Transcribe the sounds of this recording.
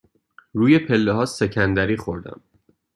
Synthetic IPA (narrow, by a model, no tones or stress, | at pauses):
ɾuːje̞pʰe̞lːeɦɒːse̞cʰænd̪æɾiːxo̞ɾd̪æ̰m